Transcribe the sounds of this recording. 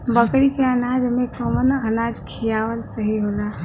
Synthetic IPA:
bəkɾikeənad͡ʒmekəmənənad͡ʒkʰijawəlsəɦiɦola

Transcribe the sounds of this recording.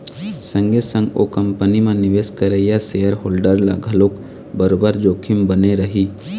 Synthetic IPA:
sə̃ŋɡesə̃ŋɡokə̃mpənimẽnɪʋeːskəɾejasejəɾɦoːlɖəɾla̰ɡʱɐloːk | bəɾoːbəɾd͡ʒoːkʰɪmbəneɾəɦiː

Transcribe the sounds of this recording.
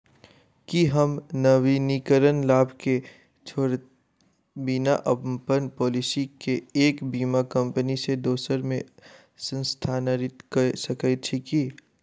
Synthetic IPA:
kiɦəmnəʋinikəɾənlaːbʱke | t͡ʃʰoːɾ | binaʔəbmpənpɔːlɪsikeeːkbiːmakə̃mpənised̪oːsəɾmẽ | sə̃nst̪ʰanəɾɪt̪kəsɐkət͡ʃʰiki

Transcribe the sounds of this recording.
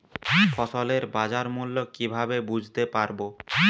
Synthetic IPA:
fɔt̪oleɾbad͡ʑaɾmulːokibʱabebud͡ʑʱt̪epaɾbo

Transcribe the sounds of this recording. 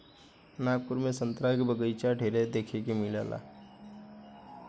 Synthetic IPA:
napuɾmesə̃nt̪ɾaikbəɡəjt͡ʃaɖʱeɾed̪eːkʰekemɪla̰ːlʔa̰

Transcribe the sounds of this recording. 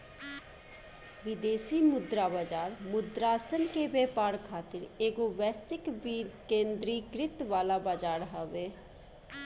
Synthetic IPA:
ʋɪd̪eːsiːmʊd̪ɾaːbaːd͡ʒaːɾmʊd̪ɾaːsənkeːbɛːpaːɾkʰaːt̪ɪɾeːɡoːʋɛːsɪkʋikẽːnd̪ɾiːkɾɪt̪ʋaːlaːbaːd͡ʒaːɾɦəʋeː

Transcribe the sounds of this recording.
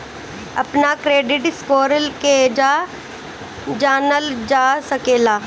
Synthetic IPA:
ɐpnakɾeːɖɪʈɪskoːɾəlked͡ʒaː | d͡ʒaːnəld͡ʒaːsɐkeːlaː

